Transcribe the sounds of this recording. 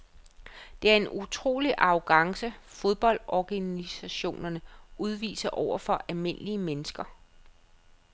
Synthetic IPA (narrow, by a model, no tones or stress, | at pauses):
d̥e̝æɐe̝nut͡sʰʁo̝̰ːliʔɑ̈ʊɡ̥ɑ̈ŋsəfoð̞ˠb̥ɒ̽l̰d̥ɒɡ̥ænisæɕo̝̰ːnɐnəuð̞ˠʋḭːsɐʔɒʊ̰ɐfɒ̽ʔælme̝n̰liəmenəsɡ̥ɐ